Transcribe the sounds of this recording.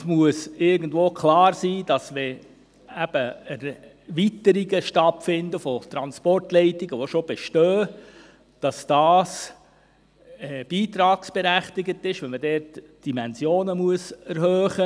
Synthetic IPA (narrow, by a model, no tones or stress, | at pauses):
muəsɪɾɡəndvoːkʰlɑːɾsiːd̥ɑsʋɛ | æb̥əɛɾ | ʋitəɾiɡəʃtɑtfɪndəfɔt̪ɾɑnspɔrtlɛɪtɪɡəʋoʃob̥ɛʃtøː | d̥ɑsd̥ɑːs | ɛb̥iːt̪ɾɑːksb̥ɛɾæχtɪɡətːɪʃʋɛmədɛːɾt | d̥imɛnsjoːnəmuəsɛɾhœːχə